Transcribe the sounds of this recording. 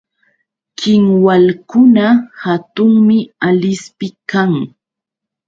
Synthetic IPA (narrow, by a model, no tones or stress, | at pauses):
kɪŋwalkʊnahat̪ʊŋmɪalɪspɪkaŋ